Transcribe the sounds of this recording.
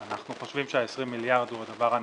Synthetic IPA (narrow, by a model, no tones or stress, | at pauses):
anaχnuχo̞ʃvimʃeaesʁimːiljaʁd̪huad̪avaʁan